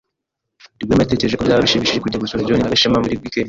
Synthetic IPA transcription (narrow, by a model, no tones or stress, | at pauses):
diɡwenate̞ceeʒekobjaːβaβiʃiβiʃiʒikuɟaɡosoɾioninaɡaʃemamuɾiɡwike